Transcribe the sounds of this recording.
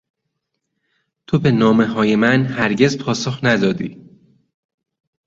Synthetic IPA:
t̪ʰobenɒːme̞ɦɒːjemænhæɾɟezpʰɒːsoxnæd̪ɒːd̪iː

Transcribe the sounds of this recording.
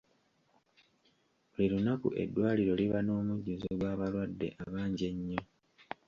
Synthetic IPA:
liɾunakṵʔe̞̰dːwaːliɾo̞liβano̞ːmuɟːuzoɡwaːβalwadːe̞̰ʔaβaːɲɟe̞ɲːo̞

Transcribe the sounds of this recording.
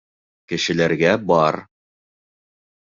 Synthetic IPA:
kɘ̆ʃɘ̆læɾɡæbɑɾ

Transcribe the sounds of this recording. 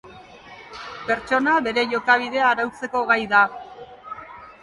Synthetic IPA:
pe̞ɾt͡ʃo̞naβe̞ɾe̞ʝo̞kaβ̞iðe̞aːɾawt͡se̞ko̞ɣajða

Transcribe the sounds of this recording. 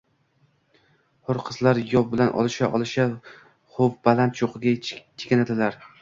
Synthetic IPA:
hʊɾqʰɨzlaɾjɒp̚bɪlanʔɒ̰lˠɪʃaʔɒlˠɪʃa | χop̚balant̪ʰjoqʰɨɡʲat͡ʃʰe̥kʲanad̪ɪlaɾ

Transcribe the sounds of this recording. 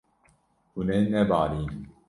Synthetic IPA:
hunejnɛbaːɾin

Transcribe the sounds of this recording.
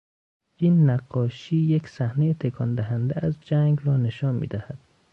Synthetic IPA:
ʔiːnːæɡːɒːʃiːjeksæhne̞jet̪ʰe̞kʰɒnd̪æɦænd̪eæzd͡ʒæŋɡrɒːne̞ʃɒːnmḭːd̪æhæd̪̥̚

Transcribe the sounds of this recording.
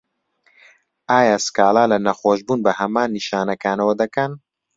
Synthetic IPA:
ʔaːjaːskaːlaːlɐnɐxoːʃbuːnbɐhɐmaːnːiʃaːnɐkaːnɐwɐd̪ɐkɐn

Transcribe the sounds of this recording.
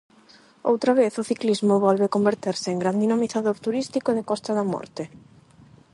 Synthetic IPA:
o̰wt̪ɾaβeθʊθiklizmʊβɔlβekombeɾt̪eɾsɪːŋɡɾand̪inamiθaðoɾt̪uɾist̪ikoðɪkɔst̪ɐðɐmɔ̰ɾt̪ɪ

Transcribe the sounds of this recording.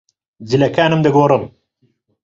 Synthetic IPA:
zilɐkaːnɨmd̪ɨɡoːrɨm

